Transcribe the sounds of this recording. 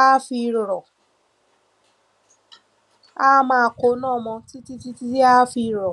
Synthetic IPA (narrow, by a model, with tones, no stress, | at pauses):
a˦fi˧ɾo˨ɾɔ˨ | a˦mã˧˨ko˨˦nɔ̃ː˦˨mɔ̃˧ti˦ti˦ti˦ti˦i˦a˦fi˧ɾɾɔ˨